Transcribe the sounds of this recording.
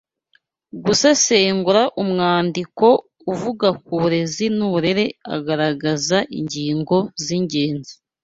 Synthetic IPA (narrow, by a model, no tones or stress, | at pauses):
ɡusaseːŋɡuɾaʔumŋaːndiko̞ | uvuɡak̚uuɾe̞zinuβuɾe̞ɾe̞a̰ɡaɾaɡazaʔḭɲɟiːŋɡo̞ziɲɟe̞ːnzi